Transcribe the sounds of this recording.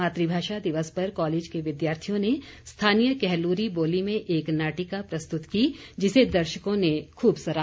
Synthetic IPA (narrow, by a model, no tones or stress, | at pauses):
aːt̪ɾibʱaːʃad̪ɪʋəspɐɾkɔːleːd͡ʒkeʋɪd̪jaːɾt̪ʰijõnest̪ʰaːnijəkɛɦluːɾiboːlimẽʔeːknaːʈikapɾɐst̪ʊt̪kid͡ʒɪsed̪ɐɾʃəkõnekʰuːbsɐɾa